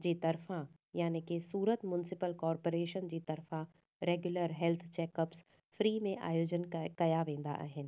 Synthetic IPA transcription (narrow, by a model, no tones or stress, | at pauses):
d͡ʑiːt̪ɐɾfã | jaːnekesuːɾət̪mʊnɪsɪpəlkɔːɾpoːɾeːʃənd͡ʑiːt̪ɐɾfã | ɾeːɡjʊləɾɦɛlt̪ʰt͡ɕɛːkɐps | fɾiːmẽʔa̰ːjoːd͡ʑənkɐjaʋẽːn̆d̪a̰ʔa̰ːɦɪnɪ̆